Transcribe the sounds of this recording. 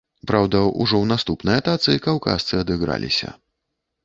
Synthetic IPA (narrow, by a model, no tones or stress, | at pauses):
pɾawd̪ɐṵʐɔwnast̪upnɨjɐt̪at̪sɨikawka̰st̪sɨɐd̪ɨɣɾa̰lʲḭsʲɐ̰